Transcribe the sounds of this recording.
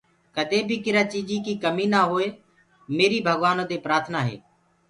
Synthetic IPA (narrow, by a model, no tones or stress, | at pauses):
kəd̪ʱẽːbʱikɪɾaːt͡ʃiːd͡ʒiːkiːkəmiːnaːɦoːeː | meːɾiːbʱəɡʋaːnõːt̪eːpɾaːɾt̪ʰnaːɦḛː